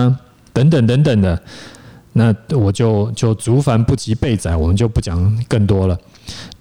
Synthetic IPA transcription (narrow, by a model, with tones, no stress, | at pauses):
t̪ə˧˦˥ŋt̪ə˨˩ŋt̪̬ə˧˦˥ŋt̪ə˨˩ŋd̪ə˦ | na˥˩wɔ˨˩t͡ɕjo˥˩ʊt͡ɕjo˥˩ʊt͡su˧˥fa˨˥npu˥˩t͡ɕi˧˥pe˥˩ɪt͡sa˨˦ɪwɔ˨˩mə˦nt͡ɕjo˥˧ʊpu˥˩t͡ɕjɑ˨˩ŋkə˥˩ŋt̪wɔ˥lə˨